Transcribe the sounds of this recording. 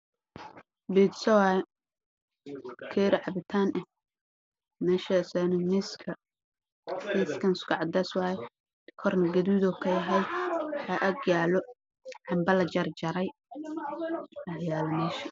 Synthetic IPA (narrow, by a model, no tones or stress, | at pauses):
bid̪sɐwaːjɛ | kʰɛːɾɪʕɑbɪt̪ʰaːnʔɛ | mɛːʃasɛnɛmɪskʰɐ | mɪskʰɐnɪskʊʕɑd̪ɐswɑːjɛ | kʰɔrnɐɡɐðuːðɔkʰɐjɐɦɐjwħaːʔɐɡjaːlɔ | ħɑmbɐlɐt͡ʃɐrd͡ʒɐɾɛj | ɐjaːlɐmɛːʃɐ